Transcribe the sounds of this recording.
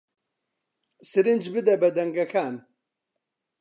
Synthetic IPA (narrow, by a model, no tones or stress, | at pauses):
sɨɾɨnd͡ʒbɨd̪ɛbɛd̪ɛŋɡɐkʰaːn